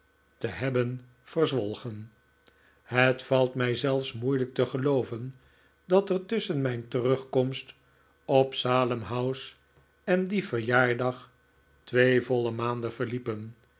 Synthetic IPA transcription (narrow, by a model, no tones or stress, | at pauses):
təɦɛbən | v̥ərzʋɔlˠχən | ɦətfɑlˠtmɛjzɛlˠfsmujlək̚təχəlowvən | dɑtərtɵsənmɛjntərɵχkɔmst | ɔpsaːləmɦʌws | ɛndivəɹjaːɹdɑχ | tʋejvɔlˠəmaːndəv̥əɹlipən